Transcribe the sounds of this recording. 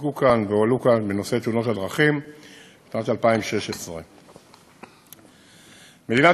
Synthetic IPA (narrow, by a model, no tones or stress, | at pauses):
ɡukanveolukanbeno̞se̞t̪euno̞thadʁaχim | ʃnat̪alpaimʃe̞ʃesʁḛ | med̪ina